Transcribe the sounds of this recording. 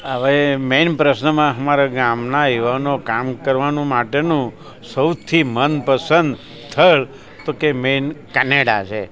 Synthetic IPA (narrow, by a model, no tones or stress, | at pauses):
aʋemenpɾəsnəmãɦəmaɾaɡamnaiʋanokamkəɾʋanũmaʈenũ | səwt̪ʰimənpəsənd̪ | t̪ʰːəɭ | t̪okemenkɛneɽa̰t͡ʃʰe